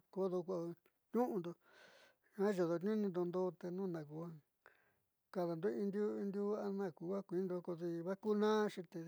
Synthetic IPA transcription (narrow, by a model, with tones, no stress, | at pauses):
ko˧˦ðo˧kʷa˧ | t̪ũ˦ʔũ˧nd̪o˧ | ã˦ʒo˨ðo˧t̪ɲũ˦nĩ˧nd̪o˧nd̪o˦t̪e˧nũ˦˨nã˨k̬u˨˧a˦ | ka˧ða˨nd̪o˦i˧nd̪ju˦i˧nd̪ju˦a˧nã˦˧˨ku˨˦a˦kʷi˨˦nd̪o˧ko˧ði˧βa˦ku˦nãː˦ʂĩ˧t̪e˧